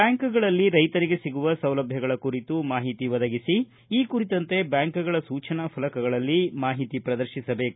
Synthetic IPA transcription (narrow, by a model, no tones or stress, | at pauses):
bjaːŋkuɡɐɭɐlːiɾɐjt̪ɐɾiɡe̞siɡuʋɐsɐwlɐbʱjɐɡɐɭɐkuɾit̪umaːɦit̪iʋɐd̪ɐɡisi | iːkuɾit̪ɐnt̪e̞bjaːŋkuɡɐɭɐsuːt͡ʃʰɐnɐpʰɐlɐkɐɡɐɭɐlːimaːɦit̪ipɾɐd̪ɐɾʃisɐbe̞ːku̥